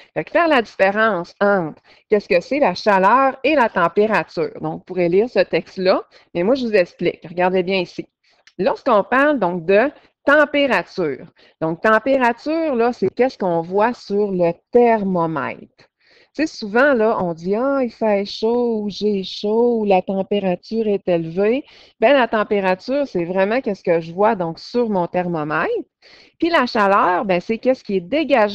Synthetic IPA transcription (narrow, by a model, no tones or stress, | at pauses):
fɛkfɛːʁladzifeʁɑ̃ŋsɑ̃t̪ | kʲɛskəselaʃalœːʁelat̪ɑ̃peʁat͡sy̰ːʁd̪ɔ̃kpuʁɛliːʁsət̪ɛkst̪lʌ | mɛmwaʒəvuzɛksplɪ̰kʁəɡaʁd̪ɛbjɛ̃isi | lɔʁskɔ̃paʁld̪ɔ̃k̚d̪ə | t̪ɑ̃peʁat͡syːʁ | d̪̥ɔ̃k̚t̪ɑ̃peʁat͡syːʁlʌsekʲɛskɔ̃vwasyʁlət̪ɛʁmɔmɛ̰ɪt̪ | t͡sesuvãlʌʔɔ̃d͡ziaifɛʃouʒeʃolat̪ɑ̃peʁat͡syːʁɛt̪elve | bɛ̃lat̪ɑ̃peʁat͡syːʁsɛvʁɛmãkʲɛskəʒəvwad̪ɔ̃ksyʁmɔ̃t̪ɛʁmɔmaɪt̪ | pilaʃalœːʁbɛ̃sekʲɛskʲiɛd̪eɡaʒ